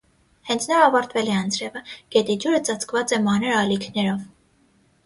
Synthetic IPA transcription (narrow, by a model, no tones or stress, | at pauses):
hɛnt͡sʰnɑɑvɑɾt̪vɛlɛɑnt͡sʰɾɛvəɡ̥ɛt̪id͡ʒuɾət͡sɑt͡sʰkvɑt͡sɛmɑnəɾɑlikʰnɛɾɔv